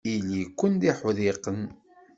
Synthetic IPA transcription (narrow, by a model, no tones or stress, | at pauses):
ilːikʷːənd̪iħoðiqən